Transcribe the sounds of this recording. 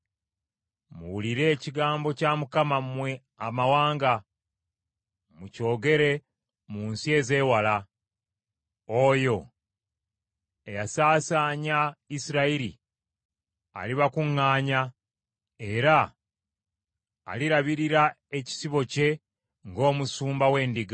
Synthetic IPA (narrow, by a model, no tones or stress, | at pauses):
mṵwuliɾe̞ːciɡaːmbo̞camukamamwe̞ | amawaːŋɡa | muco̞ːɡe̞ɾe̞ | muːnsie̞ːze̞ːwala | ojo̞ | ejasaːsaːɲaisiɾaiɾḭ | a̰liβakuŋːaːɲa | e̞ɾa | liɾaβiɾiɾa | e̞ci̥siβo̞ce̞ | ŋɡo̞ːmusuːmbawe̞ːndiɡa